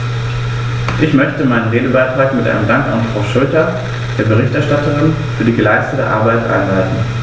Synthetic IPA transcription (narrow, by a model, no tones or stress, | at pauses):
ʔɪçmœçtəmaɪnənʁeːdəbaɪtʁ̥aːkmɪtʔa̰ɪnəmdaŋka̰nfʁ̥aʊʃɔltɐ | d̥eːɐbəʁ̞ɪçtɛɐʃtatəʁɪn | fyːɐdiːɡəlaɪstətə̰ʔa̰ɐbaɪtʔa̰ɪnlaɪtn̩